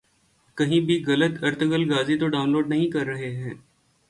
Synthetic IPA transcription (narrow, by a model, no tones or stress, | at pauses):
kɐɦĩbʱiɣɐlət̪ɐɾt̪ʰɡəlɡaːzit̪oɖaːʊnloːɖnɐɦĩkɐɾːɐɦeɦɛ̃ː